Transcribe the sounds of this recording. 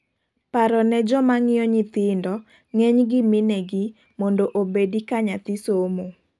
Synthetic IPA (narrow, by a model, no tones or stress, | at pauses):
paɾɔnɛd͡ʒɔmaŋɪjɔɲɪt̪ɪndɔ | ŋeɲɡɪmɪnɛɡɪ | mondoʔobedikaɲat̪ɪsomo